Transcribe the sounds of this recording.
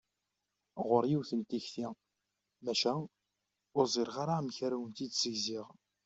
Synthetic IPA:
ʁəɾjiwθənt̪içθi | mæʃæ | ʊzˤeɾʁaɾamçaɾæwənt̪id̪səʝziʁ

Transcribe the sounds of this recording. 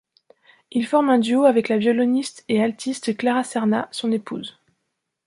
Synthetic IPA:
ilfɔʁmɛ̃d̪yoavɛklavjɔlɔnist̪ealt̪ʰist̪klaʁasɛʁnasɔ̃nepuz

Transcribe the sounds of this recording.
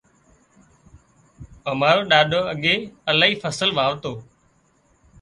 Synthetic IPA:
əmaːɾoːɗaːɗʱoːəɠeːəlaːɦiːfʰəsəlʋaːʋt̪oː

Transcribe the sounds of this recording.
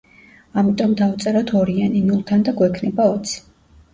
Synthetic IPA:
amit̪ʼɔmd̪avt̪sʼɛɾat̪ʰɔɾianinulˠt̪ʰand̪aɡwɛkʰnɛbaɔt̪sʰi̥

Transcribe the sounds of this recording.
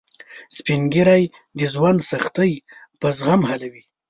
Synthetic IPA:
spiŋɡiɾaj | d̪əzwand̪saxt̪əjpəzɣamhalawi

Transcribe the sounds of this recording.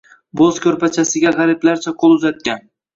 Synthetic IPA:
bozkʲʰɵɾpat͡ʃʰasɪɡʲaʁɑɾɪplaɾt͡ʃʰaqʰolˠʊzat̪̚kʲan

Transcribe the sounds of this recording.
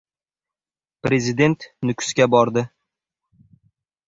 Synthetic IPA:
pɾezɪd̪e̞nt̪nʊkʲʰʊ̥skʲabɒɾd̪ɪ

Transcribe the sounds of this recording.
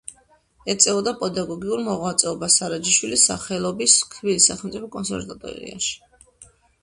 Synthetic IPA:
ɛt̪sʼɛvɔd̪apʼɛd̪aɡɔɡiuɾmɔʁwat̪sʼɛɔbasaɾad͡ʒiʃwilisa̰χɛlˠɔbiskʰvilisaχɛlˠmt̪sʼipʰɔkʼɔnsɛ̰ɾvat̪ʼɔ̰ɾḭa̰ʃi̥

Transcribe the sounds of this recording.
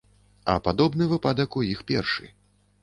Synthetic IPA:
ɐ̰pad̪ɔbnɨvɨpad̪ɐkujixpʲɛrʂɨ̰

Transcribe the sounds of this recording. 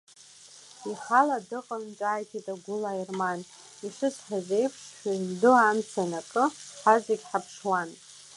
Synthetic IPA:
iħaladɨqʼənt͡ʃʷʼaːjtʰitʼaɡʷʊlairman | iʂɨsʷʰʼħazejpʰʂʃʷᶣazdɨamsʰanakʼɨħazaɡʲħapʰʂwan

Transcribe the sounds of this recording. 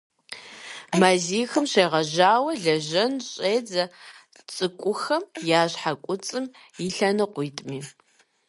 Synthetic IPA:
maːziːxɨmɕeːʁɐʑaːwɐɮɐʑɐnɕʼeːd͡zɐ | t͡sʼɨkʷʼʊxɐmjaːɕħakʷʼʊt͡sʼɨm | iɬɐnɨqʷʊjtʼmiː

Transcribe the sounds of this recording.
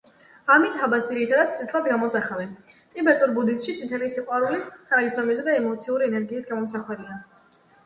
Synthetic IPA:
amit̪abasiɾit̪ʰad̪ad̪̚t̪sʼit̪ʰlˠad̪ɡamɔsaχavɛnt̪ʼibɛt̪ʼuɾbud̪ist̪ʃit̪sʰʼit̪ʰɛlisiqʼwaɾulist̪ʰaɾisɔmisd̪aɛmɔt̪sʰiuɾiɛnɛɾɡiːsɡamɔmsaχwɛɾia

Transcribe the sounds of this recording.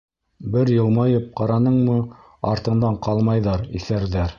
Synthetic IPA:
bɘɾjɤ̆lˠmɑjɤp̚qɑɾɑnɤɴmɤ | ɑɾt̪ɤ̆ɴd̪ɑɴqɑlˠmɑjðɑɾiθæɾðæɾ

